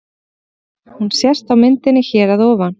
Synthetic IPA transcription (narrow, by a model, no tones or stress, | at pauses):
hunsjɛst̪awmɪnt̪ɪnːɪçɛːɾaðɔːvan